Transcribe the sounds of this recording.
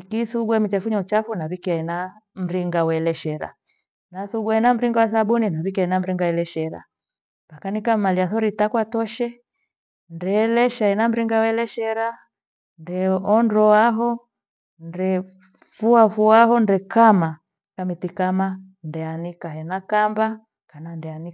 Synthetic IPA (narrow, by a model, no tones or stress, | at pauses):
ikiθuɡwɛmit͡ʃɛfuɲɔt͡ʃafunaβikiainam̩ɾiŋɡawɛlɛʃɛɾa̰ | naθuɡwɛɛnam̩ɾiŋɡawasaɓuninaβikiainam̩ɾiŋɡaɛlɛʃɛɾa̰ | pakanikamaliaθɔɾitakwatɔʃɛ | ndɛlɛʃainam̩ɾiŋɡawɛlɛʃɛɾa | ndɛɔndɔaɦɔ | ndɛ | fuafuaɦɔndɛkama | kamitikama | ndɛanikaɦɛnakamba | kanandɛani